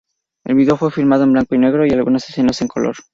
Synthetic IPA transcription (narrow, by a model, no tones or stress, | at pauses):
e̞̰lβiðo̞fwe̞fiɾmað̞oe̞mblaŋkoine̞ɣɾo̞ialɣunasesθe̞naseŋkolo̞̰ɾ